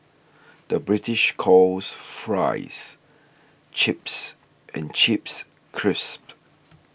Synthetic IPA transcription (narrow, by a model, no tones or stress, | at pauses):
d̥əbɹitɪʃkʰɔlsfɹa̰ɪs | t͡ʃɪps | ʔɛ̰̃nt͡ʃips | kʰɹɪsp